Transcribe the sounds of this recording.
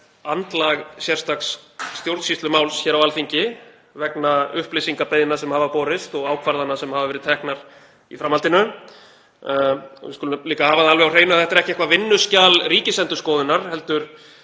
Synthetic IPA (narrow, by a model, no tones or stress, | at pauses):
ant̪laɣsjɛɾ̥st̪aksːt̪jowɾt̪sist̪lʏmaːwlsçɛːɾawalθiɲcɪ | vɛknaʏhplɪsiŋkapejðɪnːasɛmhaːvapɔːɾɪst̪ɔɣaːwkʰvaɾðanːasɛmhavavɛɾɪðt̪ʰɛhknaɾ̥ | ḭfɾamːalt̪ɪnʏ | ɔ̰vɪskʏlliːkahaːvaðalvɛɣawr̥eːjnʏaθɛht̪ɾɛhcɪɛhkvavɪnːʏscaːlriːcɪsɛnt̪ʏ̥skɔːðɪnaɾ̥hɛl̪t̪ʏɾ̥